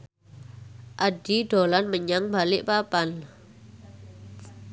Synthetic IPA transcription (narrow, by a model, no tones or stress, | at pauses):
ʔaɖ̥iɖ̥o̤lanməɲaŋbalɪʔpapan